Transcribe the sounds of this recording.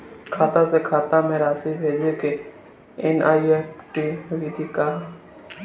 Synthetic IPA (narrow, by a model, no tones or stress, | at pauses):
kʰaːt̪asekʰaːt̪ãmẽɾaːsibʱeːd͡ʒeke | enaːieːpʈiːʋid̪ʱikaː